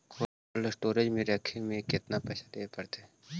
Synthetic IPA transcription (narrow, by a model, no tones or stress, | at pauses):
kʰo | ləsʈoːɾed͡ʒmẽɾəkʰːemẽkɪt̪napɛːsʰad̪eːpɐɾt̪ʰe